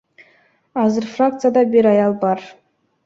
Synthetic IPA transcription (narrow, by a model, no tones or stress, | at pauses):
ɑzɨɾfrak̚t̪sɨjad̪ɑbʲeɾɑjɑlˠbɑr